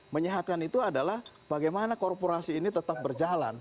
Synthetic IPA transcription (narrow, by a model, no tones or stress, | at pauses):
məɲəɦat̪̚kanit̪uadalah | baɡajmanakorpoɾasiːnit̪ət̪ap̚bərd͡ʒala̰n